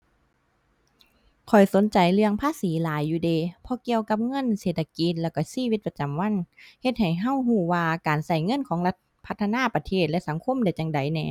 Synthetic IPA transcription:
kʰɔ˨˩jso˨˦nt͡ɕa˨˩jlɯ˧əŋpʰaː˧˥˨siː˨˦laː˨˦jːuː˧deː˧˨pʰɔ˧ki˧əwka˧p̚ŋɤ˧˥˨nseː˧˨˩t̪ʰːa˧ki˧˦t̪̚lɛː˧˩wka˧˩siː˧˥˨wi˧t̪̚pa˧t͡ɕa˨˩˨mwa˧˥˨nhe˧t̪̚ha˨˩jɦa˧˩˨whuː˧˩waː˧kaː˨nsa˧˩jŋɤ˧˥˨nkʰɔː˨˦ŋla˧t̪̚pʰa˧t̪ʰːa˧naː˧˥˨pa˧t̪ʰeː˧˩t̪̚lɛ˧˨ʔsa˨˩˦ŋkʰo˧˥˨mda˧˩jt͡ɕa˨˧˦ŋda˨˩jnɛː˧

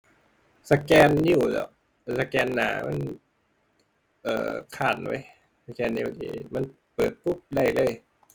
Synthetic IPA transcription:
sa˧kɛː˧nːi˧˩˨wlɛ̰˧˩ | sa˧kɛː˧nːa̰ː˩˦ma̰˧˥˨n | ʔɤ̰ː˨˩kʰaː˨˩nwa̰˦˥j | sa˧kɛː˧nːi˧˩d̪ḭː˧ma˧n | pɤː˨˩t̪̚pu˦˥˩p̚da˧˩jlɤː˧˩˨j

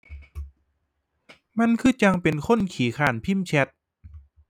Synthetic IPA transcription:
ma˧˥nkʰɯː˧˩t͡ɕa˧ŋpe˨nkʰo˧˥˨nkʰiː˨˦kʰaː˨˩npʰi˥˩˨mt͡ɕʰɛ˧˥t̪̚

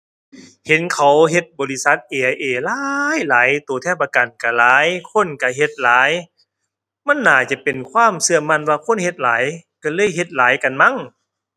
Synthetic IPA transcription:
he˨˦nkʰa˨˦wɦe˧t̪̚bɔː˨˩li˧sa˧˦t̪̚ʔeː˨˩ʔa˧jʔeː˧˩laː˦jlaː˨˦jt̪oː˨˩t̪ʰɛː˧˥˩wpaː˧ka˨˩nka˧˩laː˨˦jkʰo˧˥˨nka˧˩ɦe˧˦t̪̚laː˨˦j | ma˧˥˨nːaː˨˩t͡ɕa˧˦pe˨˩nkʰwaː˧˥˨msɯ˧əma˧˥˨nwaː˧kʰo˧˥˨nhe˧t̪̚laː˨˦jka˧˩lɤː˧˥˨jɦe˧˦t̪̚laː˨˦jka˨nma˧˥˨ŋ

